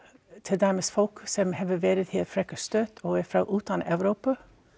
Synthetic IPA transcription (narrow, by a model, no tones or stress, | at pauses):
t̪ʰɪd̪æɾmesfɔlksɔmhɛʋəʋeːɾət̪hʰɪfɾɛkəst̪øːt̪ʰoːæfɾɑ̰ːʔʉːt̪̚ɑnʔɑʋɾuːpə